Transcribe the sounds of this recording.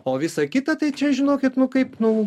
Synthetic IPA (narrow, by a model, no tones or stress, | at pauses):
oːʋʲɪsɐkʲɪt̪ɐt̪ɐɪt͡ʃʲɛʒʲɪnoːkʲɪt̪nʊkɐɪpnʊ